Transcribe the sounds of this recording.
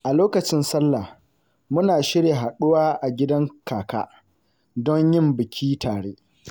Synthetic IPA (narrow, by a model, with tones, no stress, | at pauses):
ʔa˨loː˦kɐ˨t͡ʃɪ˦nsɐ˦lːa˨ | mʊ˦naː˨ʃɪ˦ɽje˨ɦa˨ɗʊ˦waː˦ʔa˨ɡʲɪ˦dɐ˦ŋkaː˨ka̰ː˦ | dɔ˦ɲjɪ˦mbɪ˨kʲʰiː˦tʰaː˨ɽeː˦